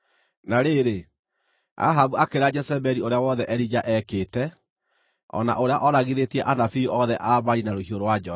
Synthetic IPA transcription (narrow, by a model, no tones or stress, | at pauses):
naɾeɾe | a̰ɦaβuakeɾad͡ʒɛsɛbɛɾioɾeawɔðɛʔɛɾid͡ʒaʔɛkeːtɛ | ɔ̰na̰ʔoɾeaʔɔɾaɣiðetiɛʔanafioʔɔðɛʔaβaɾinaɾohioɾowad͡ʒɔ